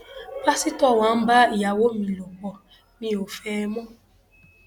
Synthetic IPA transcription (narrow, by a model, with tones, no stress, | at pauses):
fa˦si˦tɔ˦˨wa˨˦m̩˦ba˦i˨ja˨wo˦mi˨lo˨k͡pɔ˨ | mĩ˦o˨fɛː˦mɔ˦